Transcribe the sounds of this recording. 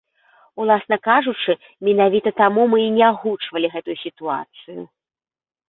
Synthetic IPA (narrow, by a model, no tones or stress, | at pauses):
ulˠasnɐkaʐut͡ʂɨ | mʲɛnavʲit̪ɐt̪amumɨːnʲɛaɣut͡ʂvɐlʲiɣɛt̪ujusʲit̪ua̰t̪sɨjṵ